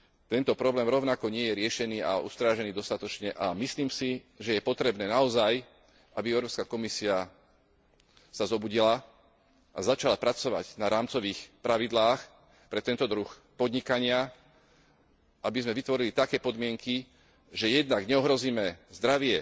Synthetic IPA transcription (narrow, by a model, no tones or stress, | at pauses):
t̪ɛnt̪ɔpɾɔblɛːmɾɔʊnakɔɲɪɛjɛɾɪɛʃɛniːa̰ṵst̪ɾaːʒɛniːd̪ɔst̪at̪ɔt͡ʃɲɛʔamisliːmsi | ʒɛjɛpɔt̪ɾɛbnɛːnaɔzaj | ʔabiɛʊɾɔːpskakɔmisia | sazɔbuɟila | ʔazat͡ʃalapɾat͡sɔʋa̰ɟnaɾaːmt͡sɔʋiːxpɾaʋid̪laːx | pɾɛt̪ɛnt̪ɔd̪ɾux | pɔd̪ɲikaɲɪa | ʔabizmɛʋit̪ʋɔɾilit̪akɛːpɔd̪mɪɛŋki | ʒɛjɛd̪naɡɲɛɔɦɾɔziːmɛzd̪ɾaʋɪɛ